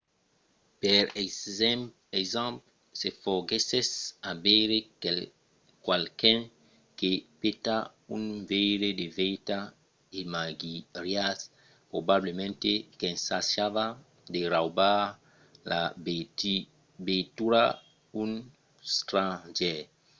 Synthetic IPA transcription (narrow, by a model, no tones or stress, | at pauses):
peɾ | esãmp | sefoɡesesabeɾe | kwalkɛ̃ŋ | kepet̪a | ũnvejɾed̪evejt̪a | imaɡiɾjas | pɾobablemẽnt̪ekẽnsasava | d̪eɾawba | la | betuɾa | ũn | st̪ɾãd͡ʒɛ